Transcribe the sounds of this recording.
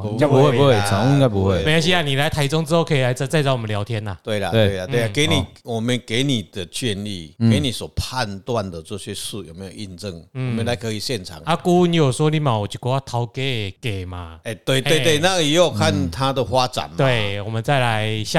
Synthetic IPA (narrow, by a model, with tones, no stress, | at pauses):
t͡ɕa˥˦pu˧˦hwe˥˨bu˧˦we˥˩a˨˦ka˧˦pu˧˦hwe˧˥˨mẽ˨˧˦a˧˦ɕ̬i˦a˨nĩ˨la˨˦ɪt̪ʰa˧˦ɪt͡sɔ˦ŋt͡s̩˧˦ho˥˧kʰə˧i˨la˨˦ɪt͡sa˧t͡sa˥˧ɪt͡sa˧˦˨mə˨nlja˨˧˦ʊt̪ʰjɛ˧˦na˨t̪we˥˩la˨e˧˩we˧˨la˨t̪we˧˨a˨ke˨˦nĩ˨wɔ˨˩mə˨nke˨˦nĩ˨d̪ə˨t͡ɕʰɥɛ˥˧nlḭ˥˨ke˨˦nĩ˨swɔ˨˩pʰa˥˧nt̪wa˥˨nd̪ə˨t͡sɔ˥˧˨ɕɥɛ˧su˧˨jo˨˩ʊme˨˦jo˨˩˨ʔi˧nt͡sə˥˧ŋ̩˥˨mə̃˨˦nla˧˦ɪkʰə˧˦i˨ɕjɛ˥˧˨nt͡sʰa̰˨˦ŋa˦ku˦nĩ˧˦jo˨˩swɔ˦li˧˦mã˨˩wɔ˨˩t͡ɕu˨˩kɔ˧˦a˥˩t̪ʰa˨˧˦ʊke˦e˨˩ke˨˩mã̰˨˩e˧˩t̪we˥˩t̪we˥˧˨t̪we˥˨˩nã˥˧i˨˦jo˥˩kʰa˥˨nt̪ʰa˦d̪ə˨hwa˦t͡sa̰˨˦nmt̪we˥˩wɔ˨˩mə̃˨nt͡sa˥˩ɪla˨˧˦jɕa˧